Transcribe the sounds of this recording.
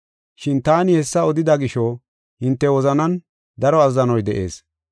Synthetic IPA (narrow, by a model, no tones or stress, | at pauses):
ʃɪnt̪aːnɪhɛsːɐɔd̪ɪd̪ɐɡɪʃɔ | hɪnt̪ːɛwɔzɐnɐn | d̪ɐɾɔɐzːɐnɔjd̪ɛʔe̞̰ːs